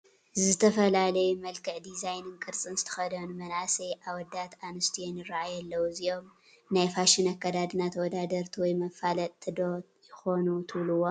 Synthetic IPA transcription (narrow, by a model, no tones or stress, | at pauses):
zɨzɨt̪ʰɐfɐlalɐjumɐlkʰɨʕd̪izajnɨnkʼɨɾt͡sʼɨnzɨ̥t̪ʰɐ̥xɐd̪ɐnmɐnʔasɐjʔaβɔd̪at̪anɨst̪ʰijonjɪɾaʔajɛlːɐwuziʔo̞m | najfaʃɪnakːɐd̪ad̪ɨnat̪ʰwɔd̪ad̪ɐɾt̪ʰiwɔjmɐfalɐt̪t̪ʰːɨd̪o | jɪxo̞nut̪ʰɨβluwo